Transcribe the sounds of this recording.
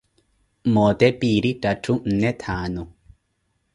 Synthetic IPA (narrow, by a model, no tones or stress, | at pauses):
mɔːt̪ɛpiːɾitatʰun̩nɛt̪ʰaːnɔ